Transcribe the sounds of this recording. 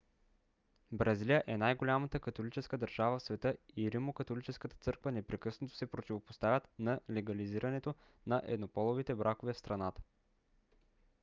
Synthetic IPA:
bɾɐzilijəʔɛnajɡolʲamət̪əkɐt̪olit͡ʃɛskəd̪ɐɾʒavəfsvɛt̪ɤiɾimokɐt̪olit͡ʃɛskət̪ə̥t̪sɤɾkvənɛpɾɛkɤsnot̪o̥sɛpɾot̪ivopo̥st̪avʲət̪nɐlɛɡɐliziɾʔɐnɛt̪o | nɐʔɛ̰d̪nopɔlˠovit̪ɛbɾʔakovɛfst̪ɾɐnat̪ə̥

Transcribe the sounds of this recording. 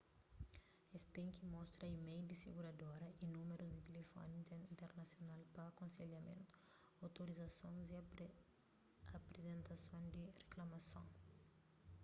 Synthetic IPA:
est̪ẽŋ̃kɪmɔst̪ɾɐimejd̪isḛɡuɾad̪oɾɐʔinũmeɾʊzd̪ɪt̪elefɔ̰nĩĩnt̪eɾnasjonalpɐːkõnseljɐmḛ̃nt̪ʊ̥ | awt̪oɾizasõnzi | apɾezẽnt̪asõñd̪ɪreklamasõ̰ŋ

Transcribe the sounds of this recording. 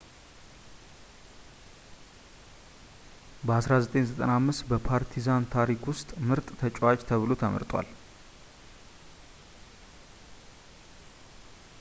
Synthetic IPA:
bəasɾazət̪ʼenzət̪ʼənamːɨst̪bəpʰaɾt̪ʰizant̪ʰaɾikwʊst̪ʼmɨɾt̪ʼt̪ʰət͡ʃʼwat͡ʃt̪ʰəβɨlot̪ʰəmə̰ɾt̪ʼwa̰l

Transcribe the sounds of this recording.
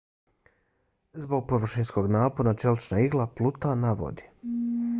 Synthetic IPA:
zbo̞ɡ̚poʋr̩ʃinsko̞ɡnaːponat͡ʃelˠt͡ʃnaiɡlˠaplˠut̪anaʋo̰d̪i

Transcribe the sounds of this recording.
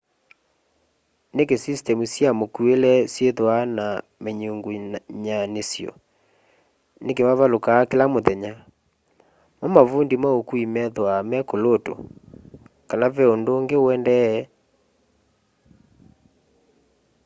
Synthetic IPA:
nekesistɛmusjamokuelɛsjeðwana | meɲuŋɡuɲanesjɔ̰ | nekemaβalokaːkelamoðɛɲa | momavundimaokuimɛðwamɛkoloto̰ | kanavɛondoːŋɡeoɛndɛ

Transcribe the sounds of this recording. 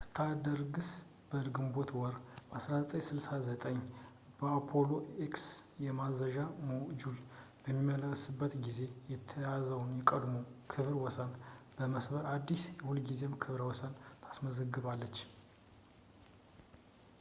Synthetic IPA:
st̪ʰad̪əɾɡɨs | b̥əlɡɨmbo̞t̪ʰwɔɾbasɾazət̪ʼəɲsɨlsazət̪ʼəɲ | b̥əapʰo̞lo̞ʔeksjɛmazəʒamod͡ʒulbəmːimːələsɨbːət̪ɡize̞jɛt̪ʰəjazəwnjɛkʼəd̪mokʰɨβɾwɔsənbəməsbəɾad̪ːisjɛhulɡizemkʰɨβɾwɔsənt̪ʰḁsməzəɡɨβalːət͡ʃː

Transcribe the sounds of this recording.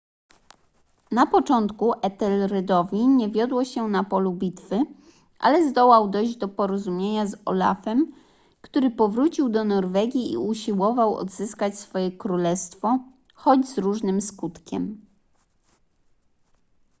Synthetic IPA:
napɔt͡ʂɔnt̪kuʔɛt̪ɛlɾɛd̪ɔvʲiɲɛvʲjɔd̪wɔɕɛnapɔlubʲit̪fɘ | ʔa̰lɛzd̪ɔwawd̪ɔjʑd͡ʑd̪ɔpɔɾɔzumʲjeɲazɔ̰la̰fɛm | kt̪uɾɘpɔvɾut͡ɕiwd̪ɔnɔɾvɛɡʲḭːuɕiwɔvawɔ̰d̪zɘskat͡ɕsfɔjɛkɾulɛst̪fɔ | xɔd͡ʑzɾuʐnɘmskut̪kʲɛ̰m

